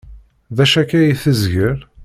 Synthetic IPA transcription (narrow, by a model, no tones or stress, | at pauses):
ðæʃækæjiθəzʝəɾ